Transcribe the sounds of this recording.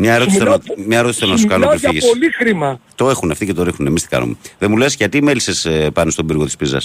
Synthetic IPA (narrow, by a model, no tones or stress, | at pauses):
mɲɐeɾoismɲɐeɾo̞t̪isɐnɐsukɐnoifiʝislixɾimɐt̪o̞exuneɐft̪icet̪oɾexnunemist̪i̥kɐ̰no̰meðemule̞sʝɐt̪imelisespɐnest̪o̞biɾɣo̞t̪i̥spizɐ̰s